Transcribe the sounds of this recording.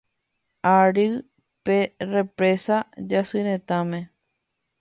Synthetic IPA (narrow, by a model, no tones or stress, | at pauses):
aɾɨ | pere̞pɾe̞sad͡ʒasɨɾẽt̪ãmẽ̞